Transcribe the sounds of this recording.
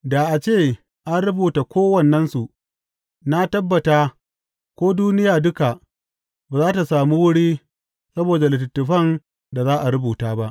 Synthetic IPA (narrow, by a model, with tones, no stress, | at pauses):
da˨ʔa˨t͡ʃeː˦˨ | ʔa˦nɽʊ˦buː˨ta˨kʷoː˦wɐ˨nːɐ˦nsu˨ʔ | na˦tɐ˦bːɐ˨taː˦ | kʷoː˦duː˦nɪ˦jaː˨dʊ˦ka˨ | baː˨zaː˦ta˨saː˨mu˦wʊ˦ɽiː˦ | sɐ˦boː˨da˨lɪ˨tɪ˨tːʊ˨ɸɐ˦˨n | da˨zaː˦ʔa˨ɾʊ˦buː˨taː˦ba˦ʔ